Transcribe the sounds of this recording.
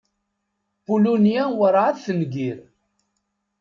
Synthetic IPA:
bulunijæwəɾˤʕaðθənɡiɾ

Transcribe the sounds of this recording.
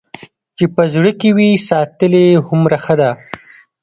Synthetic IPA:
t͡ʃepəzɽəkewisɑt̪əlehʊmɾaxəd̪a

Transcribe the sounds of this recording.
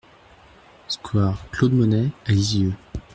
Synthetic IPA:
skwaʁklod̪mɔnɛaliziø

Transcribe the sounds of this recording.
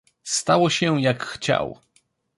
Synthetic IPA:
st̪awɔɕɛjakxt͡ɕa̰w

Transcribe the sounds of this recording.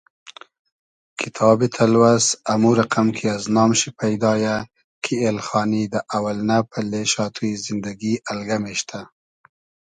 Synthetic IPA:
kʰɪt̪ʰɑbit̪ʰalwazamuɾaqamkʰiaznɑːmʃipʰajd̪ɑja | kʰielxɑːnid̪əʔawalnapʰəleʃɑt̪ʰujizɪnd̪aɡiʔalɡameʃt̪ʰa

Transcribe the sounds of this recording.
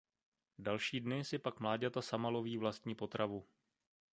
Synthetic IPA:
dalʃiːdnɪsɪpakmlaːɟat̪asamalo̞viːvlast̪ɲiːpo̞t̪ɾʔavu

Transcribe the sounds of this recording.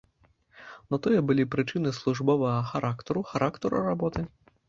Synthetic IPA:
nɔt̪ɔjɛbɨlʲipɾɨt͡ʂɨnɨslˠuʐbɔvɐɣɐxaɾʔakt̪ɐɾuxaɾʔakt̪ɐɾṵrabɔt̪ɨ

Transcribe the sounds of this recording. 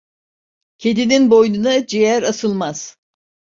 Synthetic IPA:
cʲʰed̪ininbo̞jnunad͡ʒejæɾasɯlˠmaz̥

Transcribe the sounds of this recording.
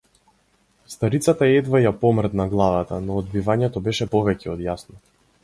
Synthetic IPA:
st̪aɾit̪sat̪aɛd̪vajapɔmrɾd̪naɡlˠavat̪anɔːd̪bivaɲɛt̪ɔbɛʃɛpɔvɛcɛɔd̪jasnɔ

